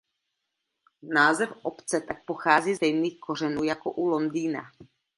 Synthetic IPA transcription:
naːzɛfʔopt͡sɛt̪ak̚poxaːziːzɛjmiːxkʰo̞r̝ɛnuːjakoʔulo̞ndiːna̰

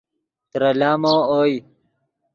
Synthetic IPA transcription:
t̪ɾɐlaːmoːoːj

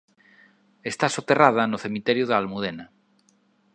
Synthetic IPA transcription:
e̞st̪asot̪e̞rað̞anoθe̞mit̪eɾjoðalmuðena

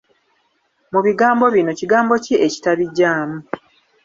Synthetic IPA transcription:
muβiɡaːmbo̞βino̞ciɡaːmbo̞ciʔeci̥taβiɟːaːmu

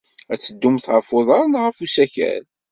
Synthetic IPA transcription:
æt͡sːəd̪ːumθʕəfoðˤɑɾˤnʁəfusæçæ̰l

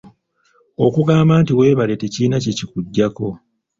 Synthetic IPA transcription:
o̞kuɡaːmbaːntiwe̞ːβaleteciːnacecikuɟːako̞

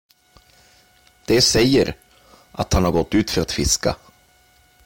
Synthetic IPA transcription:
d̪̥ɛsɛjːəɾ | ʔat̪hanhaɾɡɔt̪ːʉ̟ːt̪fœɾat̪fɪska̰

